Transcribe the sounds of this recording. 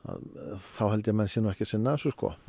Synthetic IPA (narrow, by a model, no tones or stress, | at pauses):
a̰ðθawhɛlt̪jamɛnsjinuɛhcɛ̥sɪnːasuskʰɔ̰